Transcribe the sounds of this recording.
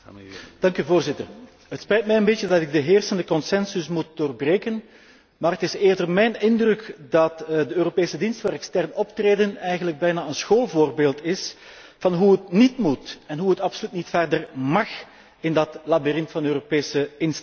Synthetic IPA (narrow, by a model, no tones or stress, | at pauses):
d̥ɑŋkyvoːrzɪtər | ɦətspɛjt̚mɛjənbet͡ʃədɑtɪɡ̚dəɦeːrsəndəkɔnsɛnsʏsmut̚doːrbreːkən | maːrɦətɪseːrdərmɛjnɪndrɵkdɑtdəøːɾopeːsədinstfaːɾɛkstɛrnɔptreːdənɛjɣənləɡ̚bɛjnaːənsxoːlˠvoːrbeːlˠtɪs | v̥ɑnɦuətnitmutɛnɦuətɑpsolytnitfɛrdərmɑx | ɪndɑtlabirɪntfɑndəøːropeːsəɪns